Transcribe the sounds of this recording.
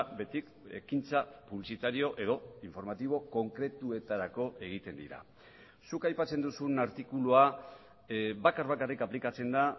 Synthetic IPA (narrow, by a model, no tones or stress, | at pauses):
be̞t̪ik | e̞̰kint͡sapuβlisit̪aɾio̞ʔe̞ð̞o̞iɱfo̞ɾmat̪iβ̞o̞ko̞ŋkɾe̞t̪ue̞t̪aɾako̞ʔe̞ɣ̞it̪e̞nd̪iɾa̰ | sukajpat͡se̞nd̪usunaɾt̪ikulua | bakaɾβakarikaplikat͡se̞nd̪a